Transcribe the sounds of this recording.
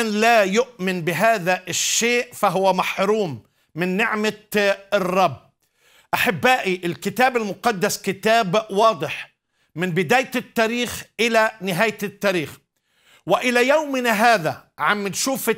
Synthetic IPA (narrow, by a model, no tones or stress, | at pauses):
nlajʊʔmɪnbɪɦaːðaʔɪʃːeːʔfaɦʊwamaħɾuːmː | ɪnːɪʕma | rˤːɑbː | ʔaħɪbːaːʔiʔɪlkɪt̪aːbɪlmʊqɑd̪ːaskɪt̪aːbwɑːd̪ˤɨħ | mɪnbɪd̪aːjt̪ːaːɾiːxʔɪlanɪɦaːjt̪ːaːɾiːx | wɪʔɪlajawmɪnaɦaːða̰ʕamːɪnʃuːfɪ